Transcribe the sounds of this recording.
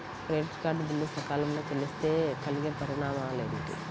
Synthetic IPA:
pɾeːʈkaːɖbilːusɐkaːlɐmniːkɐlist̪e̞ːkɐliɡepɐɾiɳaːmaleːɾuɳʈḭ

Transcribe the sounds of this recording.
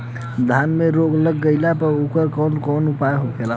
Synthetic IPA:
d̪ʱanmeɾoɡləɡːəjlapəɾukəɾkɔnkɔnupajɦokela

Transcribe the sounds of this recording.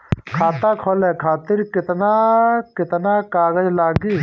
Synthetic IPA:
kʰaːt̪aːkʰoːleːkʰaːt̪ɪɾkɪt̪nakɪt̪naːkaːɡəd͡ʒlaːɡiː

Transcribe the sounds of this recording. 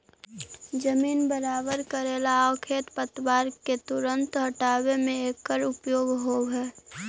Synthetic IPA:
d͡ʒəmiːnbəɾaːbəɾkəɾeːlaɔkʰeːt̪pət̪baːɾket̪ʊɾə̃nt̪ɦəʈaːwemẽeːkːəɾʊpjoːɡɦoːɡɦɛː

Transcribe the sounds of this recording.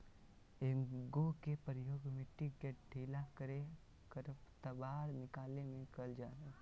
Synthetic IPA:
eɡokepɾəjoːɡmẽʈɪɡeʈ̚ɖʱiːlakəɾe | kəɾəpt̪əbaːɾnɪkaːlemẽkəld͡ʒaːɾe

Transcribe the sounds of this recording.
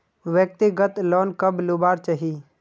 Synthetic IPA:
ʋjək̚t̪ɪɡət̪lɔːnkəblubaːɾt͡ʃaɦi

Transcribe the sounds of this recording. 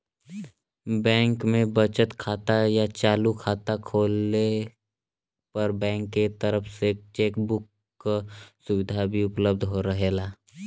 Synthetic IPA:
bɛ̃ːŋkmẽbət͡ʃət̪kʰaːt̪ajat͡ʃaːlukʰaːt̪akʰoːlːe | pɐɾbɛ̃ːŋkːet̪əɾəpʰset͡ʃeːkbʊkː | sʊwɪd̪ʱabʱiʊpləbd̪ʱɦoɾəɦelaː

